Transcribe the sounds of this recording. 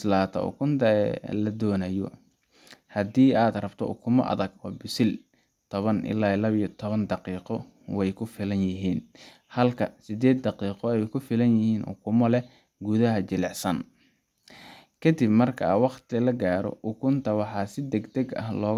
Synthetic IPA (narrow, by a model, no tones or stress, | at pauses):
slaːt̪ʰɐ̰ʊ̰kʰʊnt̪ʰɐɛ̰lɐd̪ɔːnɐjɔ | hɐd̪iːaːd̪rɐbt̪ʰɔ̰ʔʊ̰kʰʊmɔ̰ʔɐ̰ðɐɡɔːbɪsɪl | t̪ʰɔβɐnʔɪ̰laːɪlɐβijɔt̪ʰɔβɐnd̪ɑqiːqɔ | wɛjkʰʊfɪlɐnjɪɦiːn | hɐlkʰɐsɪd̪ɛːd̪ːɑqiːqɔɛjkʰʊfɪlɐnjɪhiːnʔʊ̰kʰʊmɔlɛ | ɡuðɐɦɐt͡ʃɪlɛʕsɐn | kʰɐd̪ɪbmɐrkʰɐwɑqt̪lɐɡaːɾɔ̰ʔʊkʰʊnt̪ʰɐwɑħɑːsɪd̪ɛɡd̪ɛɡɐ̰hlɔː